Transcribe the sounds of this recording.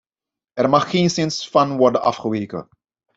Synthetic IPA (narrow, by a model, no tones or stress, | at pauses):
ʔɛrmɑχːeːnsɪnsfɑnʋɔrdənʔɑ̰fχəʋeːkə̰